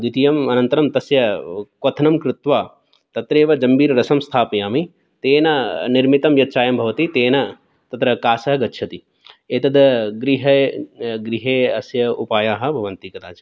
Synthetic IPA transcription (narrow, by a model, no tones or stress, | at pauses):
d̪it̪ijɐmɐnɐnt̪ɐɾɐmt̪ɐsjɐkwɐt̪ʰɐnɐmkɾɪt̪ʋaː | t̪ɐt̪ɾeːʋɐd͡ʒɐmbiːɾɾɐsɐmst̪ʰaːpɐjaːmi | t̪eːnɐniɾmit̪ɐmjɐt̪ːʃʰaːjɐmbʱɐʋɐt̪it̪eːnɐ | t̪ɐt̪ɾɐkaːsɐɦɐɡɐtːʃʰɐt̪i | eːt̪ɐd̪ɐɡɾiɦɐɡɾiɦeːɐsjɐupaːjaːɦɐ̆bʱɐʋɐnt̪ikɐt̪aːt͡ʃɐ